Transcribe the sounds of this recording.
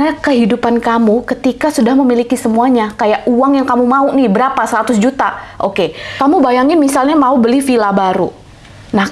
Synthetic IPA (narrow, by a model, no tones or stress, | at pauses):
akəɦidupankamukət̪ikasudahməmilikisəmuaɲakajaʔuwaŋjaŋkamumaunɪhbəɾapasəɾat̪ʊsd͡ʒut̪aʔokekamubajaŋɪnmisalɲamaubəlihfilabaɾṵ | nah